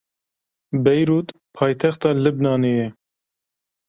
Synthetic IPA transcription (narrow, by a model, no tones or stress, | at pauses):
bɛjɾuːt̪pʰɑːjt̪ʰɛxt̪ɑːlɨbnɑːnejɛ